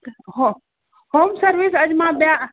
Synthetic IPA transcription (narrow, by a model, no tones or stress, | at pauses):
ɦo | hoːmsəɾʋisəd͡ʒmãbja